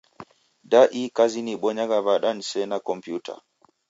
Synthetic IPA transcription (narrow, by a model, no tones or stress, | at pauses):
daʔikaziniɓɔɲaɡaβaɗanisɛnakɔmpjutʰa̰